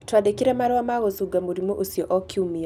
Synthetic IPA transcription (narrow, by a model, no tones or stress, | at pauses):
twad̪ɛkiɾamaɾawamaɣɔsuɡamuɾimɔʔusiɔʔɔkʰiumia